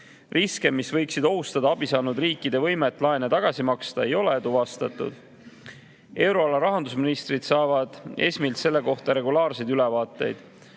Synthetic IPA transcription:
riske̞mːisvɤjksid̪o̞ɦust̪ɑd̪ɑɑb̥isɑːnud̪riːkːˑid̪e̞vɤ̞jmet̪ːˑlɑenet̪ɑɡ̥ɑsimɑkst̪ɑe̞jo̞le̞t̪uvɑst̪ɑt̪ːˑṵd̪̥ | e̞wɾo̞ɑlɑɾɑɦɑnd̪usminist̪rid̪̥sɑːvɑd̪̥e̞̰sʲmilt̪se̞lːe̞ko̞ht̪ɑɾe̞ɡulɑːrsed̪ylɛvɑːt̪ːˑe̞jd̪̥

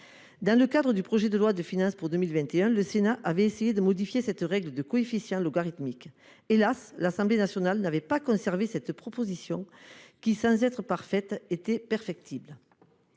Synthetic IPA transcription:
d̪ɑ̃ləkad̪ʁəd̪ypχoʒed̪əlwad̪əfinɑ̃spuʁd̪əmilvɛ̃nt̪eœ̃ləsenaʔavɛesejed̪əmɔd̪ifjesɛt̪əʁɛɡləd̪əkɔefisjɑ̃loɡaʁit̪mik | elaslasɑ̃mblenasjɔnalnavɛpakɔ̃sɛʁvesɛt̪pχɔpozisjɔ̃kʲisɑ̃zɛt̪χəpaʁfɛt̪et̪ɛpɛʁfɛk̚t̪ʰiblə

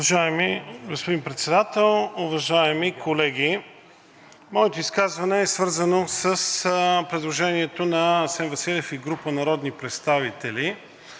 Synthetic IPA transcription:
ɐʒaɛmiɡospod̪inpɾɛt̪sɛd̪at̪ɛlˠʊvɐʒaɛmikʰolɛɡʲi | mɔɛt̪oiskazvɐnɛːsvɤɾzənosəspɾɛd̪lˠoʒɛniɛt̪onɐsɛnvɐsilʲɛfiɡɾupənɐɾɔd̪nipɾɛt̪st̪avit̪ɛli

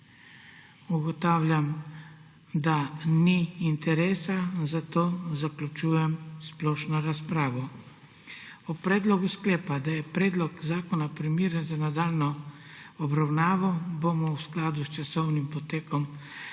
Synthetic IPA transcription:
uɡɔt̪aːwlʲjam | d̪aniːnt̪ɛɾeːsazat̪oːzaklut͡ʃuːjɛmsplɔʃnɔɾaspɾaːʋɔ | ɔpɾɛːd̪lɔɡusklɛːpad̪ajɛpɾɛːd̪lɔkzaːkɔnapɾimiːɾɛnzanad̪aːlnɔ | ɔbɾawnaːʋawbomɔwsklaːd̪ust͡ʃasɔwnimpɔt̪eːkɔm

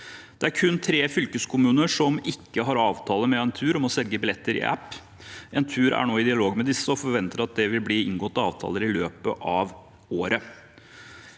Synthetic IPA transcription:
d̪̥ɛæɾkʰʉnːt̪ʰɾeːfʏlkəskʰʊmʉːnəʂɔmɪkːəɦɑɾɑːʋt̪ʰɑːləmɛɛnt̪ʰʉːɾɔmɔsɛlɡəbɪlɛt̪ːəɾɪ̰ʔæ̰pː | ɛnt̪ʰʉːɾæ̰ɳoːɪd̪ɪɑloːɡmɛd̪ɪsːəɔfɔɾʋɛnt̪əɾɑt̪̚d̪ɛʋɪlbliːɪŋɡɔt̪ːəɑːʋt̪ʰɑ̰ːləɾɪløːpəʔɑːʋ | oːɾə

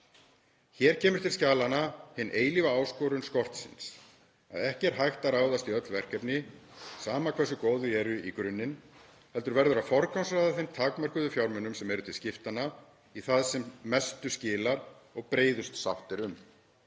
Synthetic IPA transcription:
çɛːɾ̥cʰɛːmʏɾ̥t̪ʰɪlscaːlanahɪnːʔeːjlivaaːwskɔːɾʏnskɔr̥t̪sɪ̰ns | a̰ðɛhcɛɾ̥ɦajxt̪aɾaːwðast̪iœt̪lvɛr̥kɛpnɪsaːmakʰvɛsʏkoːwðʏɛɾʏikɾʏnːɪn | hɛl̪t̪ʏɾvɛɾðʏɾafɔɾkansrajðaθejmt̪ʰaːkmœɾ̥kʏðʏfjawɾmœnʏmsɛmɛɾʏt̪ʰɪlscɪft̪ana | iθaðsɛmːɛst̪ʏscɪːlaɾ | ɔɣpɾeːjðʏst̪sawht̪ɪɾʏm

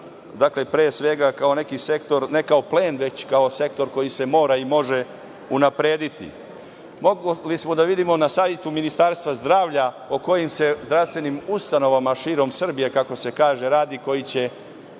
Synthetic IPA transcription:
d̪akle̞pɾeːsʋe̞ɡakao̞ne̞kise̞kt̪o̞ɾne̞kao̞pleːnʋe̞t͡ɕkao̞se̞kt̪o̞ɾko̞jise̞mo̞ːɾaimo̞ʒe̞ | unapɾeːd̪it̪ḭ | moɡlismo̞d̪aʋid̪imo̞nasaːʋjet̪uminist̪aɾst̪ʋazd̪ɾaːʋʎa | oko̞jimse̞zd̪ɾafst̪ʋe̞nimust̪ano̞ʋamaʃiːɾo̞msr̩bije̞kako̞se̞kaːʒe̞ɾaːd̪iko̞jit͡ɕe̞

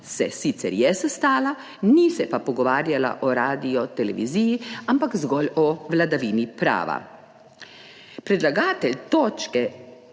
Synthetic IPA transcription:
sɛ̰siːt̪sɛ̰ɾjɛsɛst̪aːla | nisɛpapɔɡɔʋaːɾjala̰ʔɔɾaːd̪iɔt̪ɛlɛ̰ʋḭziːjiampakzɡɔːlɔʋlad̪aʋiːnipɾa̰ːʋa̰ | pɾɛd̪laɡaːt̪ɛlʲt̪oːt͡ʃkɛ

